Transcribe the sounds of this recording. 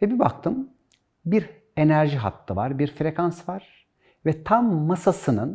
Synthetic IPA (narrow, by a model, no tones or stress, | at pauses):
vɛbibak̚t̪ʰɯm | biɾ | e̞næɾʒiɦa̰t̪lˠɯvaɾbiɾfɾe̞kʰansvaɾ̥ | vɛt̪ʰamːasasɯnɯn